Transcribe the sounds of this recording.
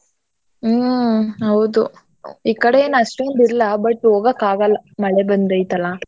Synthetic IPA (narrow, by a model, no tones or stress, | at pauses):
ɦɐwud̪u | iːkːɐɽejeːnɐʂʈend̪iɾlːɐbɐʈːoːɡɐkːaːɡɐlːɐmɐɭebɐnd̪ɐjt̪ɐlːɐ